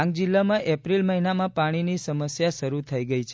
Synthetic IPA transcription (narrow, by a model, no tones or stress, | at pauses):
ãŋɡ̚d͡ʒilːamãʔɛpɾilməɦinamãpaɽ̃inisəməsjaʃəɾut̪ʰəiɡəit͡ʃʰ